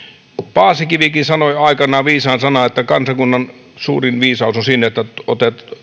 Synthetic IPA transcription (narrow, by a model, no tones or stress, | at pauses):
pɑːsikiʋikinsɑnoiɑˑikɑnɑːʋiːsɑːnsɑnɑet̪ːækɑnsɑkunːɑn | sṵːrinʋiːsɑusonsinːeet̪ːæot̪et̪